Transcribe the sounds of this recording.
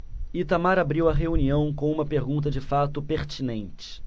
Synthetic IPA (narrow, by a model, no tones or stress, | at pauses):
it̪amaɾabɾiwɐɦeuniɐ̃w̃kõw̃ũmɐpeɾɡũnt̪ɐd͡ʒɪfat̪ʊpeɾt͡ʃinẽnt͡ʃɪ̥